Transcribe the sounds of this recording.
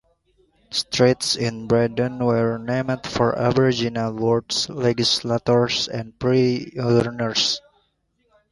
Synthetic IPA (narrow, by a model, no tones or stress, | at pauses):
st̪ɹetsɪ̃nbɹɛdə̃nwɛɹnemdfɔɹa̰vɹid͡ʒinalwɔɹdslɛɡislat̪ɔɹsɛ̰̃nd̚pɹioəɹnəɹs